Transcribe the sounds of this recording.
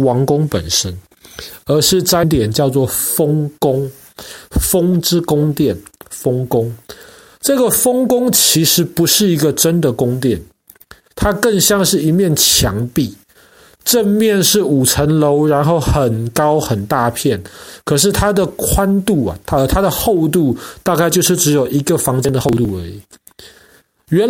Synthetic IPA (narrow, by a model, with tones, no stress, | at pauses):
wɑ˧˥ŋkʊ˥ŋpə̰˨˩nʂə˦˥n | ə˞˧˥ʂɻ̩˥˧t͡sa˥nt̪jɛ˨˩nt͡ɕjɑ˥˧ʊt͡swɔ˥˩fo˥ŋkʊ˦ŋ | fo˦˥ŋʈ͡ʂɻ̩˥kʊ˥ŋt̪jɛ˥˩nfo˥ŋkʊ˥ŋ | ʈ͡ʂɤ˥˨˩ɡə˨fo˥ŋkʊ˥ŋt͡ɕʰi˧˥ʂɻ̩˧˥pu˨˧˦ʂɻ̩˥˩i˧˥ɡə˨ʈ͡ʂə˦nd̪ə˨kʊ˦ŋt̪jɛ˥˩n | t̪ʰa˦kə˥˧˩ŋɕjɑ˥˧ŋʂɻ̩˥˩i˧˦˥mjɛ˥˩nt͡ɕʰjɑ˧˥ŋpi˥˨ | ʈ͡ʂə˥˧nmjɛ˥˨nʂɻ̩˥˩u˨˩ʈ͡ʂʰə˧˥nlo˧˦˥ʊɻa˧˦˥nxo˥˩ʊxə˨˩nkɑ˥ʊxə˨˩nt̪a˥˧pʰjɛ˥˩nkʰɤ˨˩ʂ̬ɻ̩˥˩t̪ʰa˦d̪ə˨kʰwa˦˥nt̪u˥˩a̰˨˩ə˨˩t̪ʰa˥d̪ə˨xo˥˧ʊt̪̬u˥˧t̪a˥˧ka˥˧ɪt͡ɕjo˥˧ʊʂɻ̩˥˩ʈ͡ʂɻ̩˧˥jo˨˩ʊʔi˧˦˥ɡə˨fɑ˧˥ŋt͡ɕjɛ˥nd̪ə˨xo˥˧ʊt̪u˥˩ə˞˧˥i˨˩˦ | ɥɛ˧˥n